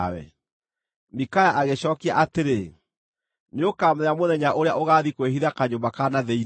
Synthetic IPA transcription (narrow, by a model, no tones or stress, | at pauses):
wɛ̰ | mikajaʔaɣeɕɔːkia̰ʔateɾe | neokaːmɛamoðɛɲaʔoɾeaʔoɣaːðikweɦiðakaɲobakanaðɛi